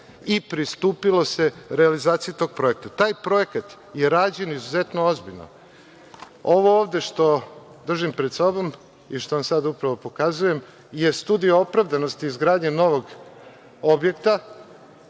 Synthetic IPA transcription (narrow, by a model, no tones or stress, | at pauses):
ipɾist̪uːpilo̞se̞ɾealizaːt̪sijut̪o̞ːɡ̥̚pɾo̞e̞k̚t̪at̪aːjpɾo̞e̞kat̪ | je̞ɾaːd͡ʑe̞nizuzet̪noo̞zbiʎno̰ | o̞ʋo̞oːʋd̪e̞ʃt̪o̞ | d̪r̩ʒimpɾed̪sobo̞m | iʃt̪o̞ʋamsad̪upɾaʋo̞po̞kazuje̞m | je̞st̪uːd̪ijoo̞pɾaʋd̪ano̞st̪iːzɡɾaːd̪ɲeno̞ʋo̞ɡ | obje̞kt̪a